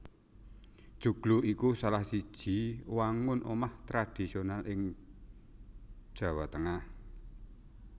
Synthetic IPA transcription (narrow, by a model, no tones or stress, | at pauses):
d̥ʒ̥uɡ̥luʔikusalahsid̥ʒ̥i̤waŋʊnʔomaht̪ɾad̪̥i̤sionalʔɪŋ | ʒ̥ä̤wat̪əŋah